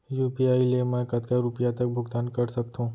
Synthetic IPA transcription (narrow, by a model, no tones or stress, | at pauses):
juːpiaːilemɛ̃kɐt̪kaɾupjat̪ɐk̚bʱʊɡt̪aːnkɐɾsɐk̚t̪ɦũː